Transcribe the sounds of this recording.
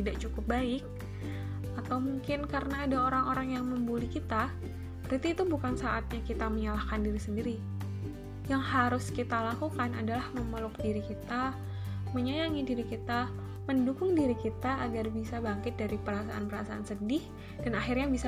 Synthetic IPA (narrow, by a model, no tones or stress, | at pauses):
idaʔt͡ʃukʊp̚baɪk̚ | at̪awmuŋkɪnkaɾənaːdaoɾaŋoɾaŋjaŋməmbulikit̪a | bɾit̪iːt̪ubukansaʔat̪̚ɲakit̪aməɲalahkandiɾisəndiɾi | jaŋhaɾʊskit̪alakukanadalahməməlʊkdiɾikit̪a | məɲajaŋidiɾikit̪a | məndukʊŋdiɾikit̪aːɡarbisabaŋkɪt̪̚daɾipəɾasaʔanpəɾasaansədɪh | d̥anaxɪrɲabisa